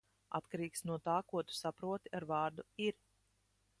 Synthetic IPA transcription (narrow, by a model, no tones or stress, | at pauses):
a̰t̪kaɾiːksnuɔt̪aːkuɔt̪u̥sapɾuɔt̪iaɾvɑːɾd̪uiɾ